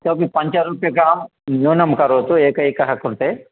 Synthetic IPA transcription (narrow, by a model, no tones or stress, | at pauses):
t̪oːpipɐɲt͡ʃɐɾuːpjɐɡaːmnuːnɐmkɐɾoːt̪ueːkɐjkɐɦɐkuɾt̪e